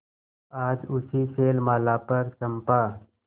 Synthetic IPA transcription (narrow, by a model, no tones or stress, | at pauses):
aːd͡ʒʊsiseːlmaːlaːpəɾsɐmpaː